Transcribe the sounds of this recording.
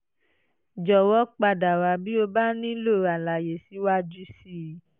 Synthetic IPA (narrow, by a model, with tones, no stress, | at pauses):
d͡ʒɔ˨wɔ˦k͡pa˧da˨wa˨˧bi˦o˧ba˦nĩ˦lo˦˨a˨la˨je˨si˨˦wa˦d͡ʒu˦si˦˨˦